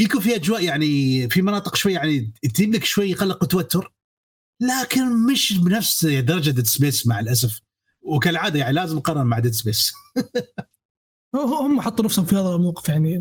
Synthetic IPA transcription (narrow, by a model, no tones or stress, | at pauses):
ikufiʔad͡ʒwaːʔjaʕnifimɑnɑːt̪ˤə̥qʃwajːaʕnit̪inlɪkʃwajːqɑlːəqut̪ːawat̪ːʊɾ | laːkɪnmɪʃbnafsd̪ɑɾˤɑd͡ʒad̪ɪt̪sbeːsmaʕalʔas̬af | wkalʕaːd̪ajaʕnilaːzəmqɑrˤːɑɾˤmaʕad̪at̪ɪsbes | hʊhʊmːħɑt̪ˤːunafshʊmfihaːðæmawqəfjaʕni